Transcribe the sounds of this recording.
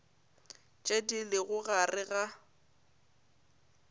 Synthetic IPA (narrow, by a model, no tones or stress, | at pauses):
t͡ʃʼedilɪɣʊɣarɪɣa